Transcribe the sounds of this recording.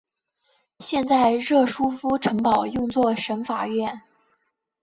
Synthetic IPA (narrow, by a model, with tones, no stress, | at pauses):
ɕjɛ˥˧nt͡sa˥˧ɪɻɤ˥˩ʂu˥fu˥ʈ͡ʂʰɤ˧˥ŋpɑ˨˩ʊjʊ˥˧ŋt͡swɔ˥˩ʂə˧˥nfa˨˩ɥɛ˥˩n